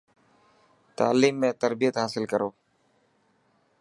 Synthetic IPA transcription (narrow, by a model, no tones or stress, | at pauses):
t̪a̰ːliːmːẽːt̪əɾbijət̪ɦaːsɪlkəɾoː